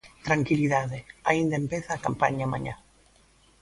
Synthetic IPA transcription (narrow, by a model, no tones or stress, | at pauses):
t̪ɾaŋkiliðaðeaind̪aempeθaːka̰mpa̰ɲaama̰ɲã̰